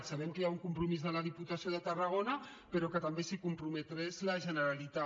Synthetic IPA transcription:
saβ̞ɛmkəjauŋkumpɾumizðəlað̞iput̪asioðət̪ərɐɣ̞onɐ | pəɾokət̪ambesikumpɾumət̪ɾezləʒənəɾalit̪a

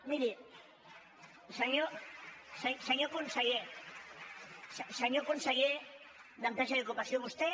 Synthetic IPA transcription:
miɾi | seɲoseseɲokunseɣe | sseɲokunseɣe | d̪ant̪aʃaðokupasjoβust̪e

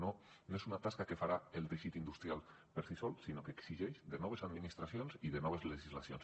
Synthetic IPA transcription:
no | noezunat̪askakefaɾaəlˠd̪eʃit̪ind̪ust̪ɾialˠ | pəɾsisɔlˠsinokeːksiʒɛʃd̪ənɔβ̞ezad̪minist̪ɾasionziðənɔβ̞ezləʒizlasions

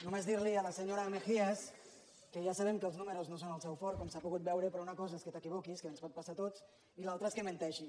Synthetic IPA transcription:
numezðiɾliələseɲoɾəmexiəs | kəʒasaβ̞ɛmkəːlˠznuməɾuznosonəlˠsɛwfɔɾkɔmsapuɣut̪̚bɛwɾəpɾɔunəkɔzaeskət̪əkiβ̞ɔkiskəənspɔt̪pasat̪ot͡s | ilalˠt̪ɾəeskəmẽnt̪ɛʃi

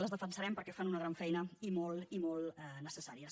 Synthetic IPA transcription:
ləzðəfənsəɾɛmpəɾkɛfanunəɣ̞ɾaɱfɛjnəimɔlˠimɔlˠɛnəsəsaɾiəs

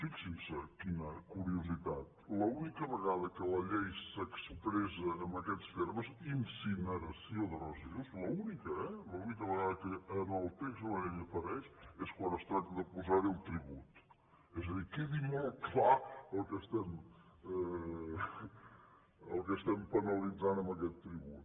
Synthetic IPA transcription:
fiksĩsɛɾkinɐɾkuɾiuziðað | lɐunikɐβɨɣaðɐkɨlˠɐʎejsɐksɨpɾezɐɐmɐkɛt̪ʃteɾmɐzĩnsinɐɾɐsjõðɨɾɔziuʃlɐunikɐɛlˠɐunikɐβɣaðɐkɨɐmalˠt̪eʃɐlɐʎejɐfɐɾɛʃɛʃkwɐ̃nd̪ust̪ɾat̪ɐðɐpuzaɾilˠt̪ɾiβut̪u̥ | ɛzɐðiɾkeðimɔlk̪laɐlkɛʃt̪ɐmɛ | ɐlkɛʃt̪ɐmpɐnɐlˠizanɐmɐkɛt̪t̪ɾiβut̪

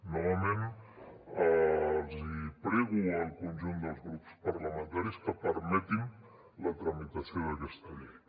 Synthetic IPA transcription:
nɔβəmen | əlˠzipɾɛɣuəlˠkunʲʒund̪əlˠzɣɾupspəɾləmənt̪aɾiskəpəɾmɛt̪in | lət̪ɾəmit̪əsioðəkɛst̪əði

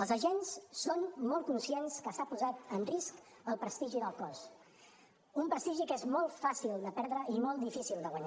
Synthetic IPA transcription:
əlˠzəʒenssonːɔlˠkunsienskəsapuzat̪ənrisk | əlˠpɾəst̪iʒiðəlˠkɔs | umpɾəst̪iʒikezmɔlˠtfasilˠd̪əpɛɾðɾəimɔlˠt̪d̪ifisilˠd̪əɣwəɲa

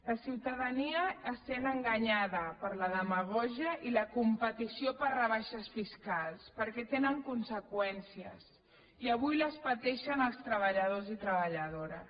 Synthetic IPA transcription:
ləsiwt̪əðəniəːsenəŋɡaɲaðəpəɾləðəməɣɔʒiəʔiləkumpət̪isiopərrəβ̞aʃəsfiskalˠspəɾkɛt̪enəŋkunsəkwɛnsiə̰s | iəβ̞ujləspət̪ɛʃənəlˠst̪ɾəβəʎəðozit̪ɾəβəʎəðoɾə

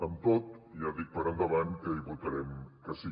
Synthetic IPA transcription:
əmt̪ot̪jaðik̚pəɾənd̪əβankəiβut̪əɾɛmkəsi

